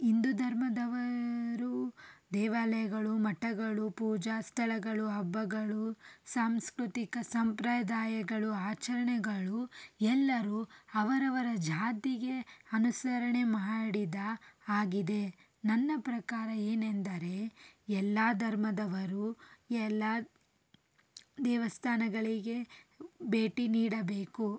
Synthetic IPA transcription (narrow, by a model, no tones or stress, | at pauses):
ind̪ud̪ʱɐɾmɐd̪ɐʋɐɾud̪ɛːʋaːlɐjɐɡɐɭumɐʈːɐɡɐɭupuːd͡ʒaːst̪ʰɐɭɐɡɐɭuɦɐbːɐɡɐɭusaːmskɾut̪ikɐsɐmpɾaːd̪aːjɐɡɐɭuaːt͡ʃɐɾɐɳɛɡɐɭuɛlːɐɾuɐʋɐɾɐʋɐɾɐd͡ʒaːt̪iɡe̞ɐnusɐɾɐɳemaɽid̪ɐaːɡid̪e̞ | nɐnːɐpɾɐkaːɾɐeːnend̪ɐɾe̞ɛlːaːd̪ʱɐɾmɐd̪ɐʋɐɾuɛlːa | d̪ɛːʋɐst̪ʰaːnɐɡɐɭiɡe̞be̞ːʈiniːɽɐbeːku